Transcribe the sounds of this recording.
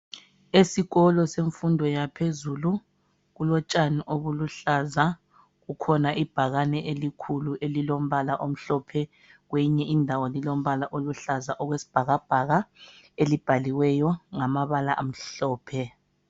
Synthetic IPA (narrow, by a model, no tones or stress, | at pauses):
esiɣɔlɔseɱfundʱɔjapʰezulu | ɣulɔt͡ʃʼaniʔoβuluɬaza | ɣukʰɔnaʔib̥ʱaɣanɛʔelikʰuluʔelilom̩βalaʔom̩ɬɔpʰɛ | ɣwɛɲɛʔindʱawɔlilom̩βalaʔoluɬazaʔɔɣwesi̥b̥ʱaɣab̥ʱaɣa | elib̥ʱaliwɛjɔŋamaβalaʔam̩ɬɔːpʰɛ